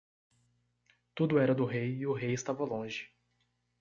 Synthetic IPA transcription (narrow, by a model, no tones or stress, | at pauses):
t̪ud̪ʊɛɾɐd̪ʊɦejɪʊɦejɪst̪avɐlõʒɪ